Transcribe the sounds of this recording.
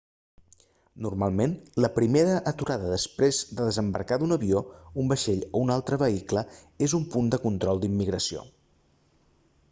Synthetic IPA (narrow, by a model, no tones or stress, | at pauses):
nurmalˠmenləpɾimeɾəʔːt̪uɾaðəðəspɾezd̪əðəzəmbə̰ɾkaðunəβioumbəʃeʎounalˠt̪ɾəβəiklə | ezumpund̪əkunt̪ɾɔlˠd̪imːiɣɾəsio̰